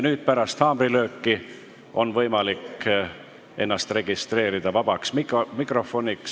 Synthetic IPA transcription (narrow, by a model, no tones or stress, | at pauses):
nyːd̪̥̚pæɾɑst̪hɑːmrilø̞ːkːi | ʔo̞nvɤjmɑlikː | e̞nːɑst̪re̞ɡ̥ist̪re̞ːɾid̪̥ɑvɑb̥ɑksmikmikro̞fo̞nʲiks